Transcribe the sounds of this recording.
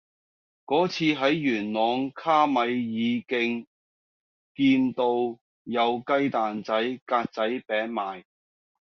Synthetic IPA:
kɔː˨˥t͡sʰiː˧ɦɐ˨˥jːyː˨˩nlɔː˨˧ŋkʰaː˥mɐ˨˧jːiː˨˧kɪ˧ŋ | kiː˧nt̪o˧w | jɐ˨˧wkɐ˥jt̪aː˨nt͡sɐ˨˥jkaː˧t̚t͡sɐ˨˥jpɛː˨˥ŋmaː˨j

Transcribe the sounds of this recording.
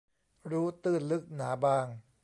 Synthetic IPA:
ɾuː˦˥t̪ɯː˥˩nlɯ˦˥k̚naː˩˦baː˧ŋ

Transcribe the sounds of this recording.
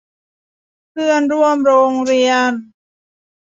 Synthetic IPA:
kʰɯ˥˩ənɾu˥˩əmɾoː˧ŋɾi˧ən

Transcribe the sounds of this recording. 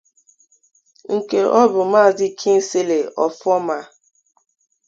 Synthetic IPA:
ŋ̩˨ke˨ʔɔ˦bʊ˨ma˦˨dɪ˦kʰi˦n̩˦se˦le˨ɔ˨fɔ˦ma˦

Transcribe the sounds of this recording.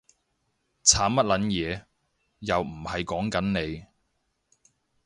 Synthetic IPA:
t͡sʰaː˨˥mɐ˥t̚lɐ˨˥njɛː˨˧ | jɐ˨wm̩˨˩hɐ˨jkɔː˨˥ŋkɐ˨˥nne˨˧j

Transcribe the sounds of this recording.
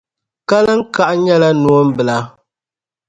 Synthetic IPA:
ka˦la˦ŋ̩˦ka˦ʔɲɛ˦la˦nu˨o˦m˦bɨ˨la˨

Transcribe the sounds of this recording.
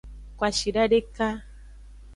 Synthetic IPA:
kwa˨ʃi˨ɖa˦ɖe˦ka˦

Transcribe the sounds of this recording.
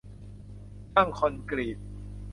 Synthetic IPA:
ta˥˩ŋkʰo˧nkɾiː˨˩t̪̚

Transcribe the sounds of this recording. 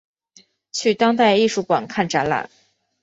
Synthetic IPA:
t͡ɕʰy˥˩t̪ɑ˥ŋt̪a˥˧ɪi˥˧ʂu˥˩kwa̰˨˩nkʰa˥˩nʈ͡ʂa˧˥nla̰˨˩˦n

